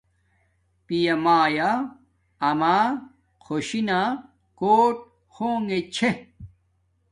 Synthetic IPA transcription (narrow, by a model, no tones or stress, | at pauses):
pijɐmaːjaː | maː | kʰoɕina | koːʈ̚ | xʰoːŋet͡ɕʰe